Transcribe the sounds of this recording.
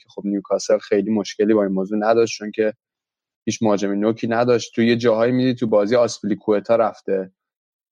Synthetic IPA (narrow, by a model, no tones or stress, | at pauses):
kʰexo̞bnijukʰɒːselxe̞jliːmo̞ʃcʰʲe̞liːbɒːinmoːzuːnæd̪ɒʃt͡ʃʰoncʰe̞ | hiːt͡ʃʰmoɦɒːd͡ʒemenocʰiːnæd̪ɒʃt̪t̪ʰuje̞d͡ʒɒːɦɒːimid̪it̪ʰubɒːziːjeɒspilikʰuet̪ʰɒːɾæft̪e̞